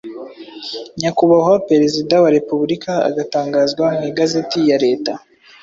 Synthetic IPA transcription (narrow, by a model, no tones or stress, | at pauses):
ɲakuβaɦoɾpɾeɾezidawaɾe̞puβɾika̰ːɡataːŋɡaːzɡwamiɡaze̞tijaɾe̞ːta